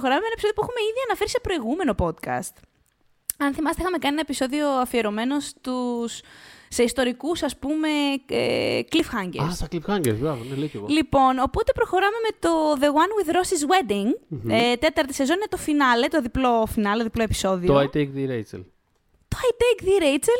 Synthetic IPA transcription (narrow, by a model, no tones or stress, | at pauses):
xo̞ɾɐmemenɐepiso̞ðijopuexume̞iðiɐnɐfe̞ɾise̞pɾo̞iɣume̞no̞po̞d̪kɐ̰st̪ | ɐnθimɐst̪eixɐme̞kɐnienɐe̞piso̞ðio̞ɐfie̞ɾo̞me̞no̞st̪usːe̞ist̪o̞ɾikusɐspume̞ḛklifxɐɲɟeassɐklifxɐɲɟeɾvɾɐvoneleceɣolipo̞no̞po̞t̪e̞pɾo̞xo̞ɾɐme̞me̞t̪o̞ðe̞ɣwɐnwiðɾo̞sizwe̞d̪iŋet̪et̪ɐɾt̪i̥se̞zo̞ninet̪o̞finɐle̞t̪o̞ðiplo̞finɐleðiplo̞epi̥so̞ðiooɐt̪ekðiɾejt͡sḛl | t̪ojt̪ekðiɾejt͡sel